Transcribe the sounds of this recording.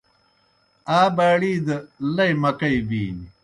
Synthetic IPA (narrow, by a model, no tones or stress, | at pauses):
aːbaːɽiːd̪ɐlɐjmɐkɐibiːni